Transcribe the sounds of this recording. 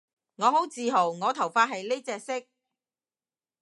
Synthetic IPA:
ŋɔː˨˧ɦo˨˥wt͡siː˨ɦo˨˩wŋɔː˨˧t̪ʰɐ˨˩wfaː˧t̚hɐ˨jle˥t͡sɛː˧sɪ˥k̚

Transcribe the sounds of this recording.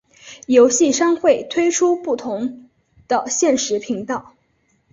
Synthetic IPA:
jo˧˥ʊɕi˥˩ʂa˥ŋxwe˥˩ɪt̪ʰwe˥ɪʈ͡ʂʰu˥pu˥˩t̪ʰʊ˧˥ŋ | d̪̥ə˧ɕjɛ˥˩nʂɻ̩˧˥pʰi˧˥ŋt̪ɑ˥˩ʊ

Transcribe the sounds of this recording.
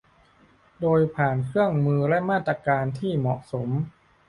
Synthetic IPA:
doː˧jpʰaː˨˩nkʰɯ˥˩əŋmɯː˧lɛ˦˥ʔmaː˥˩t̪ːɾa˧kaː˧nt̪ʰiː˥˩mɔ˨˩ʔso˩˦m

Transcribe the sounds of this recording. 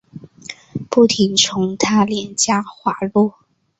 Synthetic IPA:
pu˥˩t̪ʰi˧˥ŋt͡sʰʊ˧˥ŋt̪ʰa˥ljɛ˧˥nt͡ɕja˥xwa˧˥lɔ˥˩

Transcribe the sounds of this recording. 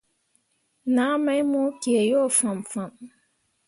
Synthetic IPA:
na˨˦mɛ˦jmʊ˦ki˨e˨jo˦˨fa˨m˨fa˨m

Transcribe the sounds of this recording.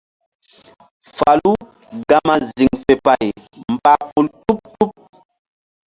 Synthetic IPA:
fa˨lu˦ | ɡa˦ma˨zi˨ŋfe˨pa˨jm̩˨ba˨pu˨ltu˦p̚tu˦p̚

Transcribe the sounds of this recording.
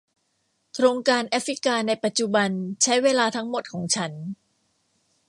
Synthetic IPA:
t̪ʰɾoː˧ŋkaː˧nʔaː˦˥fɾi˦˥kaː˧na˧jpa˨˩t̪̚t͡ɕu˨˩ba˧nt͡ɕʰa˦˥jweː˧laː˧t̪ʰa˦˥ŋmo˨˩t̪̚kʰɔː˩˦ŋt͡ɕʰa˦˥n

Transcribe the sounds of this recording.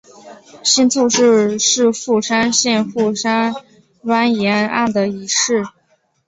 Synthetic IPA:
ɕi˥nt͡sʰu˥˧ʂɻ̩˥˧ʂɻ̩˥˧fu˥˩ʂa˥nɕjɛ˥˧nxu˥˩ʂa˥n | lwa˥njɛ˧˥na˥˩nd̪ə˩i˧˥ʂɻ̩˥˩

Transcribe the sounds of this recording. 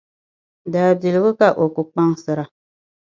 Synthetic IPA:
daː˨bi˨lɨ˨˦ɣɨ˦ka˦ʔo˨ku˨k͡pa˦ŋsɨ˨ɾa˨

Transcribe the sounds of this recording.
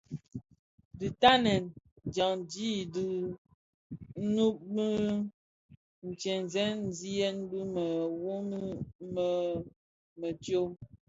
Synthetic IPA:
di˨ta˦nɛ˨n | d͡ʒa˨ŋd͡ʒi˦di˨˦ | nu˦p̚mə˦ | n̩˨t͡ʃɛ˨n˨zɛ˦n̩˦zi˦e˦n̩˦bu˦mə˨wo˦mi˦mə˦ | mə˨tjo˦

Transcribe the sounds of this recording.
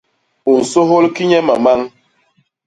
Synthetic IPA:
u˨n̩˨so˦ɦo˦lki˦ɲɛ˦ma˨ma˦ŋ

